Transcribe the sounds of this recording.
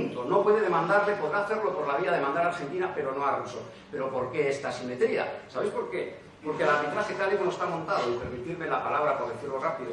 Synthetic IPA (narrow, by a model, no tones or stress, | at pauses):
nt̪ono̞pwe̞ðe̞ðe̞mãnd̪aɾle̞po̞ðɾaːθeɾlo̞po̞ɾlaβiaðemãnd̪aɾaɾxe̞nt̪inape̞ɾo̞no̞aɾruso | pe̞ɾo̞po̞ɾke̞est̪asime̞t̪ɾia̰saβe̞jspo̞ɾke | po̞ɾkelaɾβ̞it̪ɾaxekalekonost̪amõ̞nt̪að̞oipeɾmit̪iɾme̞lapalaβ̞ɾapo̞ɾðeθiɾlorapiðo